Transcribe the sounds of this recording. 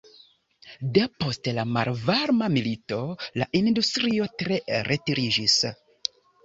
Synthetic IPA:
depo̞stelama̰lvaɾmamilito̞la̰ʔindustɾio̞tɾe̞ɾʔe̞tiɾid͡ʒis

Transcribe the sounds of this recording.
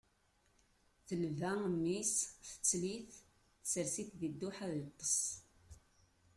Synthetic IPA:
θəlvænːisθə̥t͡sːliθ | səɾsiθðid̪ːuħaðit̪ˤːəsˤ

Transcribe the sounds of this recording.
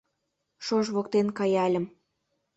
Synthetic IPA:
ʃoʒβokt̪enkɑjɑlʲə̆m

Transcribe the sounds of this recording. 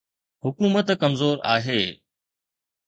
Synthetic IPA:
ɦʊkuːmət̪kɐmzoːɾaːɦeː

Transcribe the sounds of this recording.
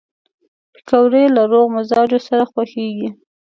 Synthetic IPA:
pi̥kawɾelaɾoɣmʊzɑd͡ʒosaɾaxwaxeɡi

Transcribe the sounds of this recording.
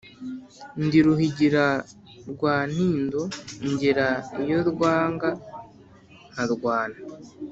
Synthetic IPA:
ndiɾuhiɟiɾa | ɾɡwaːn̥hiːndo̞ɲɟiɾaijo̞ɾɡwaːŋɡa | naɾɡwaːna

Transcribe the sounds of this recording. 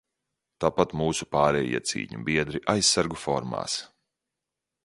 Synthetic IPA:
t̪aːpat̪muːsupaːɾɛːjḭɛt̪sḭːɲṵbiɛd̪ɾiʔajsːaɾɡufɔɾma̰ːs

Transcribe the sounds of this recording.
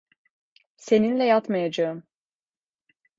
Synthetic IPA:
se̞ninlʲɛjat̪majad͡ʒaɯm

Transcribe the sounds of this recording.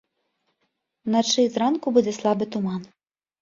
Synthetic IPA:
nat͡ʂɨzɾankubud͡zʲɛslˠɑbɨt̪ʊman

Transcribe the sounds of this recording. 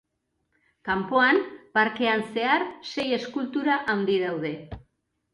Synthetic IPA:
kampo̞anpaɾke̞anse̞aɾse̞je̞skult̪uɾaʔawnd̪ið̞awð̞e̞

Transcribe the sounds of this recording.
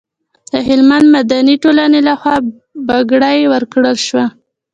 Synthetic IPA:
d̪̥əɦɪlmand̪mad̪aniʈolanelaxwɑ | baɡɽajwəɾkɽəlʃwa

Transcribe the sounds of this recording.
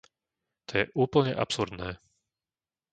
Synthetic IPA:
t̪ɔjɛʔuːpl̩ɲɛ̰ʔapsuɾd̪nɛː

